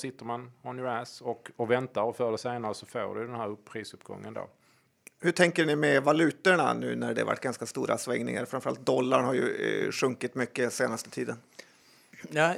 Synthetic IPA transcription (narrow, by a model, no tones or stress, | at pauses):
sɪt̪ːəɾmanɔnjəɾæsɔkɔvɛnt̪aɾɔfœɖɛseːnaɾəsɔfo̰ːɖɵ̰jd̪ɛnhæːɾɵpʰːɾiːsɵpːɡɔ̰ŋːənd̪o̰ː | hɵʈʰɛŋkəɳɪmɛvalʉ̟ːt̪əɳa̰nʉ̟ːnæɖɛ̰va̰ʈːɡanskast̪uːɾʔa̰svɛŋnɪ̰ŋa̰ɾfɾamfəɾalt̪̚d̪ɔlːaɳhaɾjɵ̰ɧɵŋkɪt̪mʏkːəseːnast̪ət̪ʰiːd̪ən | jaː